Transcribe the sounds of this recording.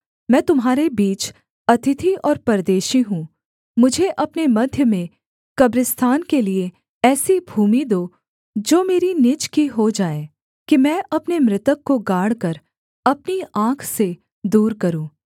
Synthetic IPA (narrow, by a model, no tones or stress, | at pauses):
mɛ̃ːt̪ʊmɦaːɾebiːt͡ʃ | ɐt̪ʰɪt̪ʰiʔɔːɾpɐɾd̪eːʃiɦũː | mʊd͡ʒʱeʔɐpnemɐd̪ʱjəmẽ | kɐbɾɪst̪ʰaːnkelie | ɛːsibʱuːmid̪oː | d͡ʒoːmeːɾinɪt͡ʃkiɦod͡ʒaːeː | kimɛ̃ːʔɐpnemɾɪt̪əkːoɡaːɽ̤kəɾ | ɐpniãːkʰse | d̪uːɾkɐɾũː